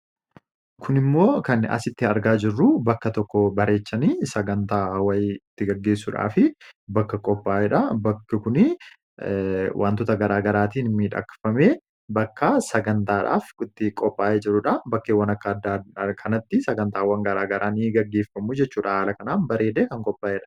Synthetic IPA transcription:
kʰʊnɪmːo̞ːkɐnɐ̰sɪt̪ːɪɐɾɡaːd͡ʒɪrːʊbɐkːɐt̪ɔkːɔbɐɾe̞ːt͡ʃːɐniːsɐɡɐnt̪aːwɐjɪt̪ːɪɡɐɡːe̞ːsːʊᶑa̰ːfɪbɐkːɐkʼɔpːaːʔɛᶑɐbɐkːɪkʊnɪ | wʔa̰ːnt̪ʊt̪ɐɡɐɾaːɡɐɾaːt̪iːnɪmiːᶑɐ̰kfɐmeː | bɐkːɐsɐɡɐnt̪aːᶑa̰ːfɪt̪ːɪkʼɔpːaːʔeːd͡ʒɪɾːʊᶑɐbɐkːeːwɐnɐkːɐɐd̪akʰɐnɐt̪ːɪsɐɡɐnt̪aːwɐŋɡɐɾaːɡɐɾʔaːniɡɐɡːe̞ːfːɐmud͡ʒɛt͡ʃːuːᶑɐhaːlɐkɐnaːnbɐɾeːd̪eːkɐŋkʼɔpːaːʔɛᶑɐ̥

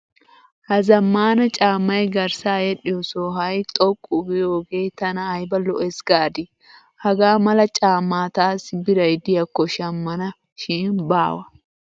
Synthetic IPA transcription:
hɐzɐmːaːnɐt͡ʃʼaːmːɐjɡɐɾsaːjɛɗɪjɔsoːɦɐjt̪ʼɔkʼːʊbɪjoːɡeːt̪ɐnɐːjbɐlɔʔɛsɡaːd̪ɪ | hɐɡaːmɐlɐt͡ʃʼaːmːaːt̪aːsɪbɪɾɐjd̪ɪjɐkːɔʃɐmːɐnɐ | ʃiːnbaːwɐ

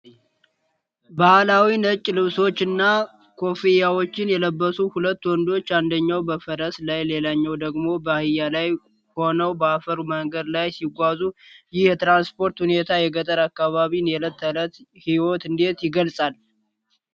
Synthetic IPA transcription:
bahlawinət͡ʃʼːlɨβso̞t͡ʃːɨnːa | kʰo̞fijawo̞t͡ʃːɪnjɛləbːəsuhulət̪ːwɔnd̪o̞t͡ʃːand̪əɲːawbəfəɾəslajle̞laɲːɛwd̪əɡmo̞bəhɨjːalaj | ho̞nəwbəafəɾuməŋɡəd̪lajsiɡʷazujɪht̪ɾanspo̞ɾt̪hunet̪ʰajɛɡət̪ʼəɾakːaβaβinɛlət̪ʰːələt̪hiwot̪ɨnd̪e̞t̪jɪɡəlsʼal

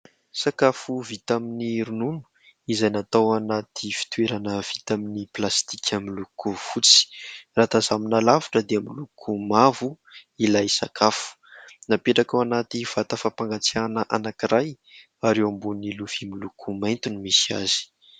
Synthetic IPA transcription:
sakafuvit̪aminiɾununu̥ | izajnat̪awanat̪ʰifi̥t̪weɾanəv̥it̪aminiplast̪i̥kʰamilukuv̥ut͡si̥rat̪azaminalavu̥ʈ͡ʂəd̪eamilukʰumavu | ilajsakʰafu̥ | napeʈ͡ʂakawanat̪iv̥at̪afapaŋɡat͡sianəʔanakiɾaj | aɾewambuniluv̥imilukʰumajnt̪unimisia̰zi̥

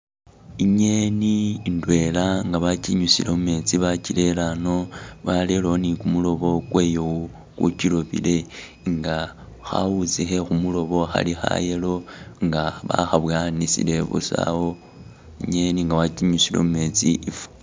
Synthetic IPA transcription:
iɲe̞niːndwe̞laŋɡaβaciɲusilo̞mume̞t͡siβacile̞lano̞βalelonikumulo̞βo̞kwe̞ːjou | kṵciloβḭle̞ | ŋɡa | xa̰wut͡sixe̞xumulo̞βo̞xa̰lixa̰je̞lo̞ŋɡaβa̰xaβwaːnisḭle̞βṵsa̰wo | iɲeniŋɡaβaciɲusilo̞̰mume̞t͡siʔifu̥

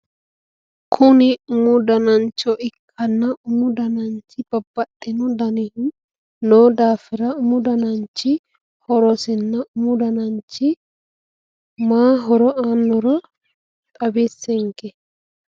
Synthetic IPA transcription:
kʰʊnɪʊmʊd̪ɐnɐnt͡ʃːɔʔɪkʰːɐnːɐʔʊmʊd̪ɐnɐnt͡ʃːɪb̥ɐbːɐtʼːɪnɔd̪ɐnɛhɪn | noːd̪aːfɪɾɐʊmʊd̪ɐnɐnt͡ʃːɪ | hɔɾɔsɪnːɐʔʊmʊd̪ɐnɐnt͡ʃːɪ | maːɦɔɾɔaːnːɔɾɐ | t̪ʼɐbesːɛŋkɛ

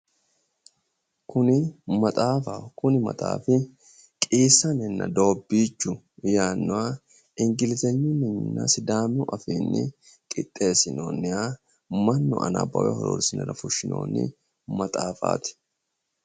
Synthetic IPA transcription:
kʊnɪmɐt̪ʼaːfɐkʊnɪmɐ̰t̪ʼa̰ːfɪ | kʼiːsːɐnɪnːɐ̰d̪o̞ːbːiːt͡ʃːʊ | jaːnːʊwaː | ɪŋɡɪlɪzɛɲːʊnɛnːɐ̰sɪd̪aːmʊʔɐfiːnːɪ̰ | kʼɪt̪ʼːe̞ːsɪno̰ːnːɪja | mɐnːʊʔɐ̰nɐ̰bɐ̰wɛhɔɾɔ̰ɾsɪnɛɾɐfʊʃːɪno̰ːnːɪ̰ | mɐt̪ʼaːfa̰ːt̪ɪ̥

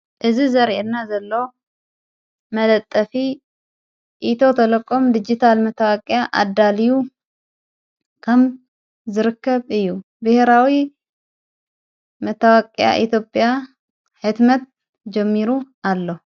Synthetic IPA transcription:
ʔɨzizəɾeɨnːazəlːo | mələt̪ʼːəfi | ʔit̪ʰo̞t̪ʰələkʼːomd̪ɨd͡ʒit̪ʰalmət̪ʰːawakʼjaʔa̰d̪ːaliju | kʰəm | zɨɾɨkːəβɨjːu | bɨheɾawi | mət̪ʰːawakʼja̰ʔit̪jo̞pʼja | ħɨd̪mət̪̚ | d͡ʒɛmːiɾu | alːəhu

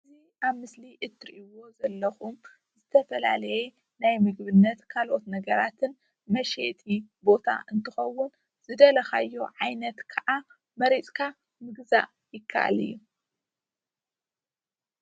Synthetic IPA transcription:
ɨɨzi | ʔaβmɨsliʔɨt̪ʰːɾiʔiwo̞zɐlːɐxum | zɨt̪ʰɐfɐla̰lɐjɛ | najmɨɡβɨnːɐt̪kʰalʔo̞t̪nɐɡɐɾat̪ʰɨn | mɐʃet̪ʰʼibo̞t̪ʰa̰ʔɨnt̪ʰɨxɐwːʊn | z̥ɨd̪ɐlɐxa̰jːo̞ʕajnɐt̪kʰɐʔa | mɐɾit͡sʼkʰa | mɨɡza̰ʔ | jɪkʰːa̰ʔa̰lḭjːu

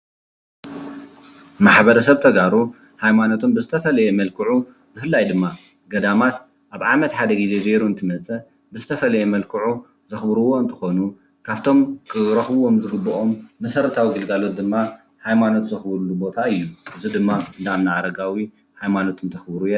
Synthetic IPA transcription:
maħbɐɾɐsɐβt̪ʰɐɡaɾu | hajmanot̪ʰombɨzɨt̪ʰɐfɐlɐjemɐlkʰɨʕu | b̥ɨfɨlːajd̪ɨmːa | ɡɐd̪amat̪ | ʔaβʕamɐt̪ħad̪ɐɡize̞ze̞ɾuɨnt̪ʰɨmɐt͡sʼɐ | bɨzɨt̪ʰɐfɐlɐjemɐlkʰɨʕu | zɨxbɾuwo̞ɨnt̪ʰɨ̥xo̞nu | kʰaβt̪ʰo̞mkʰɨɾɐxbo̞mzɨɡɨbːɐʔo̞mːɐsɐɾɐt̪ʰawiɡɨlɡalo̞t̪̚d̪ɨmːa | hajmano̞t̪zɨxβɾulːubo̞t̪ʰaɨjːuʔɨzid̪ɨmːaɨnd̪aamnaʕaɾɐɡawi | hajmano̞t̪ɨnt̪ʰɐxbɾujɛ

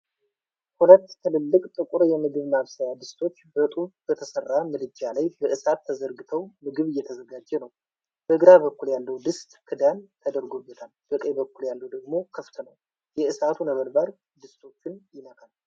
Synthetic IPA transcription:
hulət̪ːt̪ʰɨlɨlːɨkʼt̪ʼɨkʼuɾjɛmɨɡɨβnaaβsajad̪ɨst̪ʰo̞t͡ʃːbət̪ʼuβbət̪ʰəsərːamɨd̪ɨd͡ʒalajbəʔɨsat̪ʰːəzəɾɡɨt̪ʰəwmɨɡɨβɪjːɛt̪ʰəzəɡad͡ʒːɛnəw | b̥əɨɡɾaβəkːuljalːəwd̪ɨst̪ʼkʰɨd̪ant̪ʰəd̪əɾɡobːət̪ʰalbəkʼəjbəkːuljalːəwd̪əɡmo̞kʰəft̪ʰənəw | jɛʔɨsat̪ʰunəβəɾbaɾ | d̪ɨst̪ʰo̞t͡ʃːɪnjɪnək̪ʰʼal

